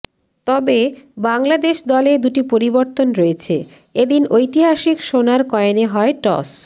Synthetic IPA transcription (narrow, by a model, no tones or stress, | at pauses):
t̪ɔbebaŋlad̪eʃd̪ɔled̪uʈipoɾiboɾt̪onɾoet͡ɕʰe | ed̪inojt̪iɦaʃikʃonaɾkɔeeneɦɔeʈɔ̰s